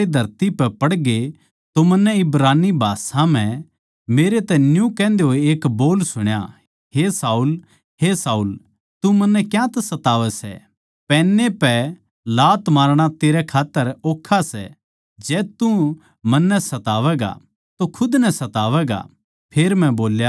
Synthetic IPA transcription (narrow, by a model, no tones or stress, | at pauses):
ed̪ʱɐɾt̪ipɛpɐɽɡe | t̪omɐnːɛɪbɾaːnːibʱaːsãm̤ɛ̃ | meːɾet̪ɛnjũkɛ̃ːnd̪eɦoeeːkboːlsʊɽ̃ja̰ | ɦesaːuːl | ɦesaːuːl | t̪umɐnːɛkjãt̪sɐt̪aːʋɛsɛ̰ | pɛːnːepɛ | laːt̪maːɾɽ̃at̪eːɾɛkʰaːt̪ːəɾoːkʰːasɛ̰ | d͡ʒɛːt̪u | mɐnːɛsɐt̪aːʋɛɡa̰ | t̪okʰʊd̪nɛsɐt̪aːʋɛɡa̰ | pʰeːɾmɛ̃boːlja